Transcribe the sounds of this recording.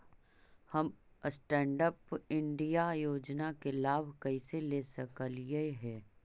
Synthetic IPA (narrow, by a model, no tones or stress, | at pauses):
hɐmsʈɛ̃ːɳɖəpɪ̃ɳɖijajoːd͡ʒnakelaːbʱkəiselesəkəljəɦɛː